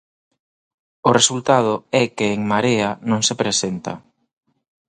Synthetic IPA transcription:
ʊresult̪að̞ʊɛkɪːŋmaɾeɐnõŋsepɾesent̪ɐ̰

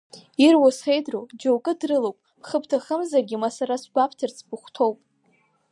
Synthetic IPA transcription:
irwasχejdrowd͡ʒowkʼɨdrɨlowpʼpʰχəptʰaχəmzarɡʲimasaɾasɡʷapʰtʰɨrt͡sʰbʊχʷtʰo̞wpʼ

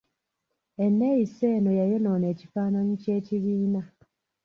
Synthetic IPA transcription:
e̞nːejise̞ːnojajo̞noːne̞ːcifaːnanuce̞ːciβiːna

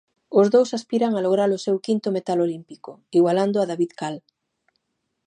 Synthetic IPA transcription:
ʊzðowsaspiɾaŋaloɣ̞ɾalʊsewkint̪omet̪alolimpikʊiɣwaland̪oaðaβiðkal

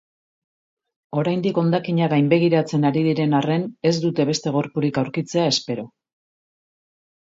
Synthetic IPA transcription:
o̞ɾajnd̪iko̞nd̪akiɲaɣajmbe̞ɣ̞iɾat͡se̞naɾiðiɾe̞nare̞ne̞zd̪ut̪e̞β̞e̞st̪e̞ɣ̞o̞ɾpuɾikawɾkit͡se̞ae̞spe̞ɾo̞

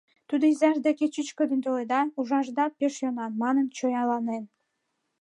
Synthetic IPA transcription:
t̪ud̪ŏizɑʒd̪ækʲet͡ɕit͡ɕkob̪ʲint̪olˠed̪ɑuʒɑʒd̪ɑpeʃjonɑnmɑnə̆nt͡ɕojɑlɑnen

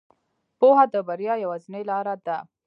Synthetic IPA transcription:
poɦad̪əbaɾjɑjawazinelɑɾad̪a

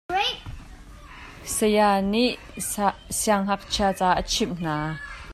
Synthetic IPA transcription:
səjaːniʔ | siaŋɦɐk̚t͡ɕʰiat͡saːʔət͡ɕʰimn̥aː

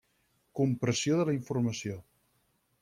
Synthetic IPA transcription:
kumpɾəsioðələiɱfuɾməsio

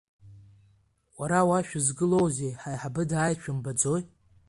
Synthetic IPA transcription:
qʷʼaɾawaʃᶣʊzɡɨlo̞wze̞jħajħabɨdaːjt͡ʃʷʰʊmbad͡zo̞j

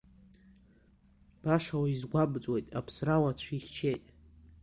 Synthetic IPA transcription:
b̥aʂawaizɡʷabt͡sʷʼwe̞jtʼapʰsrawat͡ɕʷʰiχʲt͡ʃʰe̞jtʼ

